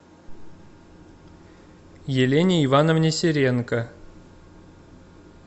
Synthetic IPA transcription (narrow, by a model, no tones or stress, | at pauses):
jɪlʲenʲɪivanəvnʲɪsʲɪɾʲenkə